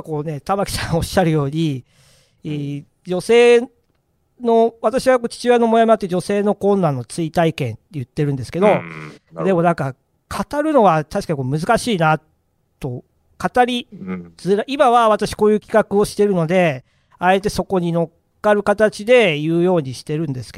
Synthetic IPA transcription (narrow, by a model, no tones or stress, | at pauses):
ko̞ːne̞t̪amakʲi̥sãŋo̞ɕaɾɯ̟jo̞ːɲ̟i | d͡ʑo̞se̞ː | no̞βat̪aɕiβako̞ːt͡ɕi̥t͡ɕɨano̞mo̞jamat̪ːed͡ʑo̞se̞ːno̞kõ̞nːanːo̞t͡sɨit̪aikẽ̞̰nt̪ejɯ̟t̪ːe̞ɾɯ̟̃nd̪e̞sɨ̥ke̞d̪o̞d̪e̞mo̞nãŋka | kʰat̪aɾɯ̟no̞βat̪aɕi̥kaɲikomɯ̟zɨkaɕiːnat | t̪o̞ | kat̪aɾʲid͡zɨɾaʔimaβaβ̞at̪aɕi̥ko̞ːjɯ̟ːkʲi̥kakɯo̞ɕi̥t̪e̞ɾɯ̟no̞d̪e̞ | ae̞t̪e̞so̞ko̞ɲ̟ino̞kkːaɾɯ̟kat̪at͡ɕid̪e̞jɯ̟ːjo̞ːɲ̟iɕi̥t̪e̞ɾɯ̟̃nd̪e̞sɨ̥k